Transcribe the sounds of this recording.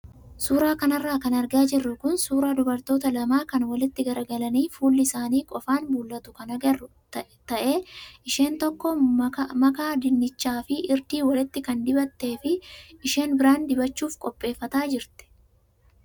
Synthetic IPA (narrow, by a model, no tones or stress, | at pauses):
suːɾaːkɐnɐrːaːkɐnɐɾɡaːd͡ʒɪrːʊkʊnsuːɾaːd̪ʊbɐɾt̪o̞ːt̪ɐlɐmaːkɐnwɐlɪt̪ːɪɡɐɾɐɡɐlɐniːfuːlːɪɪsaːniːkʼɔfaːnbuːlːɐt̪ʊkɐnɐɐ | t̪ɐʔe̞ːɪʃeːnt̪ɔkːɔmɐkaːd̪ɪnːɪt͡ʃːaːfɪʔɪɾd̪iːwɐlɪt̪ːɪkɐnd̪ɪbɐt̪ːe̞ːfɪɪʃe̞ːnbɪɾaːnd̪ɪbɐt͡ʃːuːfkʼɔpʼːe̞ːfːɐt̪aːd͡ʒɪɾt̪ɛ̥